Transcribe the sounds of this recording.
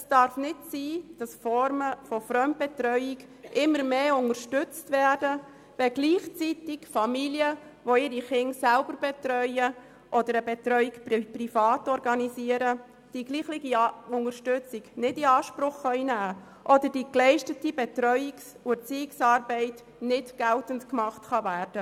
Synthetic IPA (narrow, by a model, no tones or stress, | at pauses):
ɛsd̥ɑɾfnɪtsiːd̥ɑsfɔɾməfɔfɾœmt̚b̥ɛt̪ɾœʏik | ʔɪmːəɾmeːʊŋəɾʃtʏt͡stvɛːɾdə | ʋɛɡliːχt͡sitikfɑmiljəʋoɪɾiχɪŋsælbəɾbɛtɾœʏə | ʔɔdəɾəbɛtɾœʏikpprifɑːtɔrɡɑnisiəɾə | d̥iɡliːχlɪɡiʊŋəɾʃtʉt͡siɡnɪdiɑːʃpɾʊχːœʏinæː | ʔɔdəɾd̥iklɛɪʃtətibɛtɾœʏiksuəɾt͡siɪksɑːɾbɛɪt | nɪtɡ̥ɛltəntkmɑχtχɑvæːrd̥ə